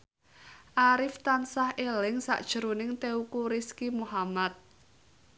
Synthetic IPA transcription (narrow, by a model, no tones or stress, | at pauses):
ʔaɾɪft̪ansahʔelɪŋsa̰ʔd̥ʒ̥ə̤ɾunɪŋt̪eukuɾɪskimuɦamat̪̚